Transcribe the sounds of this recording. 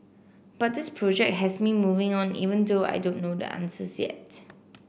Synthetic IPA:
b̥at̚dɪspʰɹɔd͡ʒɛk̚t̚ɦɛsmimuvɪ̃ŋɔ̃nḭvə̃ndoa̰jdõnːodə̰ʔã̰nsəsjɛ̰t̚

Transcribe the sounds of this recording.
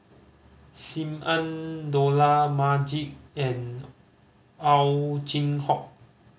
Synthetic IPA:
simʔandolamad͡ʒik̚ɛn | awt͡ɕinhɔk̚

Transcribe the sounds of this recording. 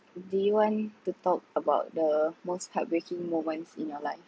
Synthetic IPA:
dewɔ̃ntut̪ɔk̚əbaʊt̚dəmosthat̚bɹekĩŋmõmə̃nsḭ̃njɔlaɪf

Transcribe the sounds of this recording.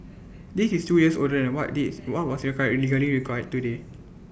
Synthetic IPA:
disistujəso̰dəɛ̃nwɔʔiwɔt̚wɔsɹikajliɡəliɹikajɛtːude

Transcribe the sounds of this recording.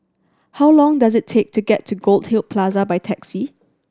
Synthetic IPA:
hawlɔ̃ŋdazɪtʰek̚tʰuɡɛtʰːuɡolˠd̚hilˠpʰlazəbajtʰɛksi

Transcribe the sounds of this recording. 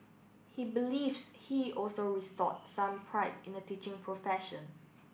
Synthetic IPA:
hibilivshiʔɔlsoɹistɔ̰t̚sãmpʰɹaɪpɪ̃nətit͡ʃɪ̃ŋpʰɹofɛʃə̃n

